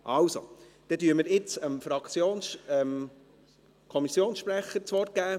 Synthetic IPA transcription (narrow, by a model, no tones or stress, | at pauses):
ʔɑwso̰ | d̪̥ɛtyəməɾɪt͡səmfɾɑkt͡sjoːnɛm | kʰɔmisjoːnsʃpɾæχət͡sʋɔrt̚ɡ̥æː